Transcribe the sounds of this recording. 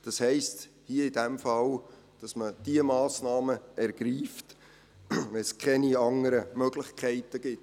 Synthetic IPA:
d̥ɑshɛɪst | hiəɪdɛmfɑl | d̥ɑsməd̥iəmɑːsnɑːməʔɛɾɡ̥ɾiːft | ʋɛlskʰɛniɑŋəɾəmœɡ̥lɪχkʰɛɪtəɡ̥ɪt

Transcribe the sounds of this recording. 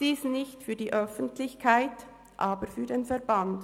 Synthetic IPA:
d̥iːsnɪçtfyːdiːʔœfəntʰlɪçkʰaɪt | ʔaːbəɾfyːɐdeːnfɛʁband

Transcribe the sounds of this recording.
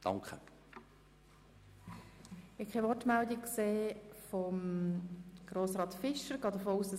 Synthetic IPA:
d̥ɑ̰ŋkə | ɪkχɛʋɔrtmældikkseːfɔm | ɡ̥ɾoːsʁɑːtfɪʃəɾɡ̥ɑːd̪əfoːuːsd̥ɑs

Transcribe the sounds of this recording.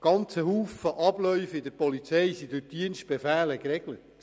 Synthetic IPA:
ɡ̥ɑnt͡səhuːfəʔɑb̥lœʏfɪdəɾpɔlit͡sɛjsidʉdiənst̚b̥efæːləkrɛɡ̥lət

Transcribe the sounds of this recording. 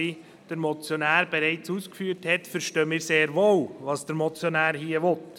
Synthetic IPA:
i | d̥əɾmɔt͡sjɔnæːɾb̥ɛɾɛɪt͡suːskfyəɾthɛtfəɾʃtøːmɪːɾseːɾʋoːlʋɑːsd̥əɾmɔt͡sjɔnæːɾhiəʋɔt

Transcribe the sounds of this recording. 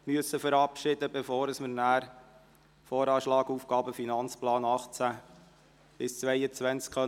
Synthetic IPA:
myəsːəfəɾɑpʃɪd̥̪əbefoːɾəsməɾnæːɾ | fɔːɾɑːʃlɑːɡuːfɡɑːbəfinɑnt͡splɑːnɑχt͡sæ | b̥ɪst͡sʋɛɪət͡sʋænt͡skχœ

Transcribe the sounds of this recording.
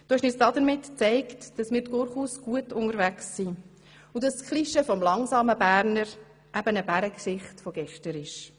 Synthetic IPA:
d̥oːɪʃnɪt͡sd̥ɑdəɾmɪtt͡sɛɪktd̥ɑsmɪːɾtɡ̥ʊɾχhuːsɡ̥uətʊŋəɾvæksːi | udɑsskʰliʃəfɔmlɑŋsɑːməbæːɾnəɾ | ʔæb̥ənəbæɾəksɪχtfɔɡɛʃtəɾɪʃ

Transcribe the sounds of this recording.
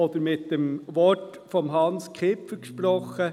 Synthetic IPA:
oːd̪əɾmɪt̪̚d̪̥emʋɔt | fɔmɦɑnskʰɪpfəʃpɾɔχə

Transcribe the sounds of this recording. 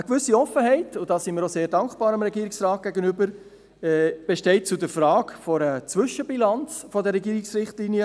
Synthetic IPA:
əkvʏsiɔfəɦɛɪtʊdɑːsimɪːɾoseːɾdɑŋkb̥ɑːɾɑmɾɛɡiːɾiksrɑːt̚ɡ̥ɛɡənʏbəɾ | ɛb̥eʃtɛɪt̚t͡sʊdəɾfɾɑːkfɔɾət͡sʋʏʃəbilɑnt͡sfɔdəɾɛɡiːɾɪksɾɪχtlinjə

